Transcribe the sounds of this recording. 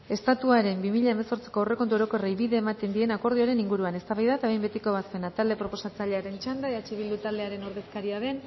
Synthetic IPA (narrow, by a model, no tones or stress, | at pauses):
e̞st̪at̪uaɾe̞mbimiʎaeme̞so̞ɾt͡se̥ko̞oreko̞nt̪uo̞ɾo̞ko̞rejβiðe̞ːmat̪e̞nd̪ie̞nako̞ɾð̞io̞aɾe̞niŋɡuɾuane̞st̪aβajðat̪aβejmbe̞t̪iko̞βaspe̞nat̪ald̪e̞pɾo̞po̞sat͡saʎe̞aɾe̞nt͡ʃand̪aeat͡ʃeβild̪ut̪ald̪e̞aɾe̞no̞ɾðe̞skaɾiaðe̞n